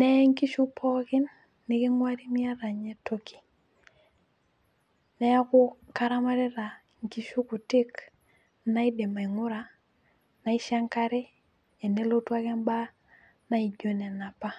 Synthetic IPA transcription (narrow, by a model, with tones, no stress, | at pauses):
nɛ˦ŋki˦ʃu˦pʰɔ˦kɪ˦nː | ɪ˦kɪ˦ŋwa˦ɾi˦mɪ˦a˦ɾa˨ɲɛ˦to˦kʰi̥˨ | nɛ˦a˦kʊ˦ka˨ɾa˦ma˦ɾɛ˦ɾa˨ | ŋki˦ʃu˦kʊ˨tɪ˦k | na˦i˦de˨ma˨i˨ŋʊ˦ɾa˨ | na˨ɪ˦ʃa˦ŋka˦ɾɪ˦ | ɛ˨ne˦lo˦twa˦kɛ˦nba˦ | na˦i˨d͡ʒo˨˦nɛ˨na˨pa˦